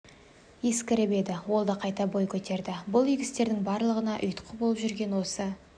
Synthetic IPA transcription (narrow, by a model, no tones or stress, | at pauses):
eskʲɪɾɪbe̞d̪ɪwo̞lˠd̪ɑqʰɑjt̪ɑbojkʲʰɵt̪e̞ɾd̪ɪbʊlˠʏjɡʲɪst̪e̞ɾd̪ɪŋbɑɾlˠəʁənɑʔʏjt̪qʰəbo̞lˠəpʒʏɾɡʲe̞nwo̞sə